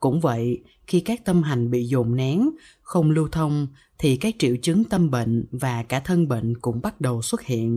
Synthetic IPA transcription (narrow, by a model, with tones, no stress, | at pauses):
kʊ̰˧˥ŋ͡mvə̰˧˨j | xi˧kaː˦˥k̚t̪ə˧mɦa˨˩ŋ̟ɓḭ˧˨zo̰˧˨˩mna˨˦ŋ | xə˧wŋ͡mlu˧wt̪ʰə˧wŋ͡m | t̪ʰi˨˩kaː˦˥k̚t͡ɕḭ˧˨wt͡ɕɨ˨˦ŋt̪ə˧mɓḛ˧˨ŋ̟vaː˨˩kaː˧˩t̪ʰə˧nɓḛ˧˨ŋ̟kʊ̰˧˥ŋ͡mɓa˦˥t̚ɗə˨˩wswə˦˥t̚hḭ˧˨ənʔ